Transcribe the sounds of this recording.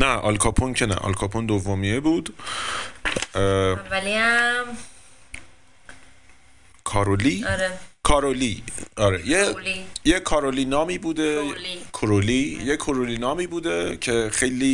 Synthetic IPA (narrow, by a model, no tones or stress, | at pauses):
næʔɒ̰lkʰɒːpʰoncʰenæ̰ʔɒ̰lkʰɒːpʰond̪ovːomiːebuːd̪ | lia | kʰɒːɾoliɾekʰɒːɾoliɒːɾejejekʰɒːɾoliːnɒːmiːbuːd̪ekʰoɾolijekʰoɾoliːnɒːmiːbuːd̪ecʰe̞xejliː